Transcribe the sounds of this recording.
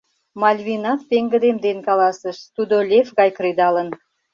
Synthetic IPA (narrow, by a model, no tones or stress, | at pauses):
malʲvʲinafpeŋɡɪ̆d̪emd̪enkalˠɑsəʃst̪ud̪olʲefɡɑjkɾid̪ɑlˠən